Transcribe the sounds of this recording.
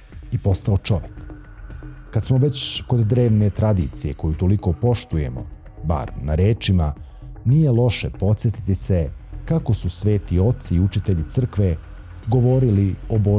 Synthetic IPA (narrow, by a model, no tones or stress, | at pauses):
ipo̞st̪aot͡ʃo̞ʋjekː | ad̪smo̞ʋe̞t͡ɕko̞d̪ːɾe̞ːʋne̞t̪ɾad̪ḭt̪sije̞ko̞jut̪o̞liko̞po̞ʃt̪uje̞̰mo̞̰ | ba̰ɾnaɾe̞ːt͡ʃima | nijelˠo̞ʃepo̞t̪sjet̪i̥t̪ise̞kako̞susʋe̞ːt̪io̞t̪siːut͡ʃit̪e̞ʎit̪sr̩kʋe̞ | ɡo̞ʋo̞ɾiliobo